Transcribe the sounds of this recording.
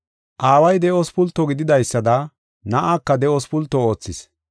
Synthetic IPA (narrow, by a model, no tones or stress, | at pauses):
ʔaːwɐjd̪ɛʔɔspʊlt̪ːɔɡɪd̪ɪd̪ɐjsːɐd̪ɐ | nɐʔakːɐd̪ɛʔɔspʊlt̪ːɔo̞ːt͡sːɪs